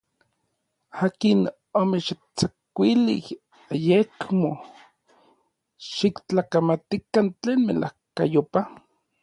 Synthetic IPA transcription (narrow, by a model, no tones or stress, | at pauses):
aːkin | omeʃi | t͡sakʷilḭh | ajekmo | ʃikt͡ɬakamat̪ikant͡ɬeːnmḛlʔa̰hka̰jopa